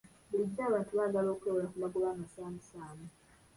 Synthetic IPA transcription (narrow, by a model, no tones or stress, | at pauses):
buliɟːaːβaːntuβaːɡalo̞ːkowolakulaɡulaːmasaːmisaːmu